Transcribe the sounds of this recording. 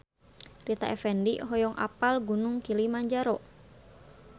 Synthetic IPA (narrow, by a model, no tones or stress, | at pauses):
rit̪a̰ʔɛfɛndiɦɔjɔŋʔa̰palɡunuŋkilimaɲd͡ʒaɾɔ